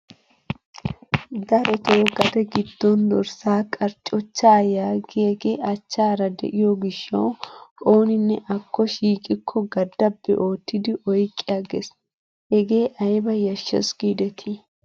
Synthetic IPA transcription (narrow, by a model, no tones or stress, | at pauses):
d̪ɐɾɔt̪owɡɐd̪ɛɡɪd̪ːɔnd̪ɔɾsaːkʼɐɾt͡ʃʼɔt͡ʃːaːjaːɡɪɐɡeːʔɐt͡ʃːaːɾɐd̪ɛ̰ʔɪjɔɡɪʃːɐwo̞ːnɪnːɛʔɐkʰːɔʃiːkʼɪkʰːɔɡɐd̪ːɐbːɛ̰ʔo̞ːt̪ːɪd̪ɪʔɔjkʼːɪjaɡes | hɛɡe̞ːʔɐjbɐjɐʃːɛ̰sɡiːd̪ɛt̪ʰɪ